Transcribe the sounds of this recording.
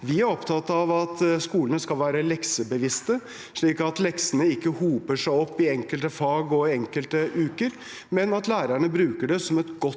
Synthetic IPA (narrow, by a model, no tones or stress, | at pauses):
ʋɪæɾɔpt̪ʰɑt̪ːɑʋɑt̪skuːlənəskɑlʋæːɾəlɛksəbəʋɪst̪ə | ʂɭiːkɑt̪lɛksənəɪkːəhuːpəʂæɪɔpːɪɛŋkəlt̪əfɑːɡɔɛŋkəlt̪əʔʉːkəɾ | mɛnɑt̪læːɾəɳəbɾʉːkəɖɛsɔmɛt̪ɡɔ